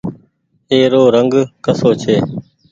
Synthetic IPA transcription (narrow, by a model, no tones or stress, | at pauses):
eːɾoːɾəŋɡkəsoːt͡ʃʰeː